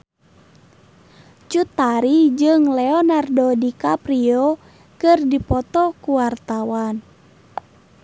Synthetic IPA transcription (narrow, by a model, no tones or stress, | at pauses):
t͡ʃut̪aɾid͡ʒɨŋlɛɔnardɔdikapɾiɔ | kɨrdipɔt̪ɔkuwart̪awan